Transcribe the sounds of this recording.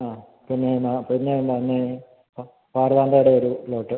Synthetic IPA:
aː | pinːenaːpiinːeoɳɖinːe | paːrðaːnd̪aːjɽeoɾulo̞ːʈːɨ

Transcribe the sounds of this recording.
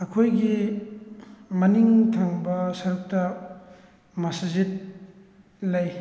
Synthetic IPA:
ɐkʰojɡi | mɐniŋtʰaŋbɐsɐɾuk̚tɐ | mɐsɐzit̚ | laj

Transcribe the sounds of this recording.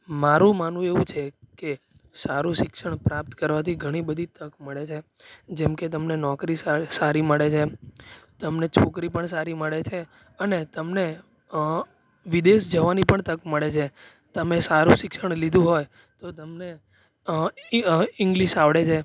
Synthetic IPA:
maɾũmanũeʋũt͡ʃʰeke | saɾũʃɪkʃəɳpɾap̚t̪kəɾʋat̪ʰiɡʱəɽ̃ibəd̪ʱit̪əkməɭet͡ʃʰe | d͡ʒɛmket̪̬əmnenɔkɾissaɾiməɭet͡ʃʰe | t̪əmnet͡ʃʰokɾipəɳsaɾiməɭet͡ʃʰe | ənet̪əmne | ʋid̪eʃd͡ʒəʋanipəɳt̪əkməɭet͡ʃʰe | t̪əmesaɾũʃɪkʃəɳlid̪ʱũɦoj | t̪ot̪əmne | ɪŋɡliʃaʋɽet͡ʃʰe

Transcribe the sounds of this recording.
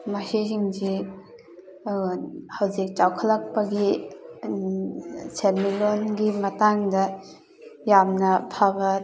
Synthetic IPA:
mɐsisiŋd͡ʒi | hɐwzik̚t͡ʃawkʰɐlɐk̚pɐɡi | seɾmilonɡimɐtaŋdɐ | jamnɐpʰabɐ

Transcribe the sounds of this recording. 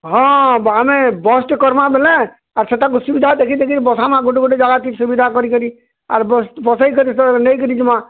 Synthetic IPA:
ɦɔ̃bamebɔsʈkɔɾmabelɛ̃ | aɾset̪ãkusubid̪ʱad̪ekʰid̪ekʰiɾbɔsamãɡoʈɡoɖed͡ʒaɡat̪isubid̪ʱakɔɾikəɾi | a̰ɾbɔsʈbɔsaikɔɾisɔnəjkɔɾid͡ʒimã

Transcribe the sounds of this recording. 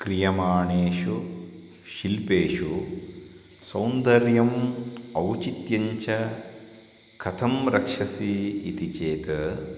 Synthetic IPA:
kɾijɐmaːɳeːʃu | ʃilpeːʃu | sɐwnd̪ɐɾjɐmɐwt͡ʃit̪jɐɲt͡ʃɐ | kʰɐt̪ʰɐmɾɐkʂɐsiit̪it͡ʃeːt̪ɐ

